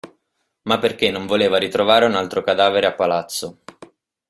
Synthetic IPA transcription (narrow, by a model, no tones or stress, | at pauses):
mapːerk̟enːoɱvoleːvaɾit̪ɾovaːɾeunalt̪ɾokad̪aːveɾeapːalat̪sːo